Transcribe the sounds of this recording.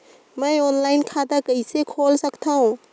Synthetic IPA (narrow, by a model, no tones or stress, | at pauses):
mə̃oːnlaːɪnkʰaːd̪akəisekʰoːlsəkt̪ʰaɦũ